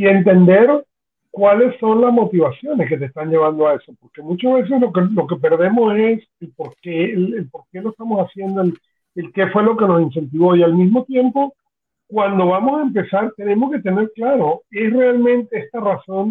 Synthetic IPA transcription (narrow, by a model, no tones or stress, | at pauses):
ie̞nt̪e̞nd̪e̞ɾ | kwale̞sːo̞nlazmo̞t̪iβ̞asjo̞ne̞ske̞t̪̬est̪aɲd͡ʒe̞β̞and̪oae̞so̞po̞ɾke̞mut͡ʃazβe̞s̬e̞slokelo̞ke̞pe̞ɾð̞e̞mo̞se̞s | elpo̞ɾkelelpo̞ɾke̞loest̪amosasje̞nd̪oel | elke̞fwe̞lo̞ke̞no̞sinse̞nt̪iβ̞o̞ialmizmo̞t̪je̞mpo̞ | kwand̪o̞βamosaempe̞saɾt̪e̞ne̞mo̞ske̞t̪e̞ne̞ɾklaɾo̞e̞sre̞almẽ̞nt̪eest̪araso̞n